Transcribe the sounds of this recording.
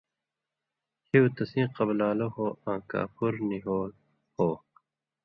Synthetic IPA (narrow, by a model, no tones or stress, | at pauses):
t͡ɕiut̪ɐsĩːqɐblaːlohoːãːka̰ːpʰuɾniɦoːl | hoː